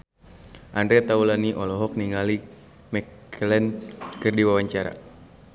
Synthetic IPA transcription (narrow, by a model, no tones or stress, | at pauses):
ʔandɾɛt̪aulaniʔɔlɔɦɔk̚niŋali | mɛk | lɛnkɨrdiwawaɲt͡ʃaɾa̰